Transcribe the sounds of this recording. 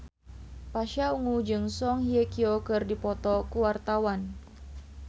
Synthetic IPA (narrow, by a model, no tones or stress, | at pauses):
paʃauŋud͡ʒɨŋsɔŋhiekiokɨrdipɔt̪ɔkuwart̪awan